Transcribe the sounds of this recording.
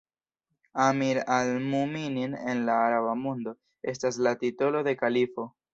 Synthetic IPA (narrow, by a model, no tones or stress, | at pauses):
amiɾalmuminine̞nlaːɾaβamondo̞ | e̞s̬tas̬latito̞lo̞de̞kalifo̞